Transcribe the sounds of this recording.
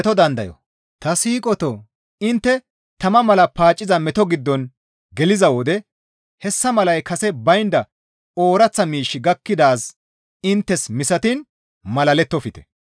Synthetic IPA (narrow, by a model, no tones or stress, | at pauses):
t̪ɔd̪ɐnd̪ɐjɔ̰ | t̪ɐsiːkʼɔt̪ɔ | ɪnt̪ːɛ | t̪ɐmɐmɐlɐpaːt͡ʃʼːɪzɐmɛt̪ɔɡɪd̪ːɔn | ɡɛlɪzɐwɔd̪ɛ | hɛsːɐmɐlɐjkɐsɛbɐjnd̪ɐ | oːɾɐt͡sːɐmiːʃːɪɡɐkːɪd̪aːs | ɪnt̪ːɛsmɪsɐt̪ɪn | mɐlɐlɛt̪ːɔfɪt̪ɛ̥